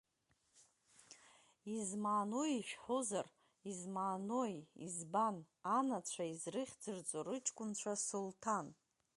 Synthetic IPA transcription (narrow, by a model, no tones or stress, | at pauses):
izmaːno̞iʃᶣħozar | izmaːnojḭzban | anat͡ɕʷʰaizrɨχʲd͡zɨrt͡sʼorɨt͡ʃʼkʷʼʊnt͡ɕʷʰasultʰan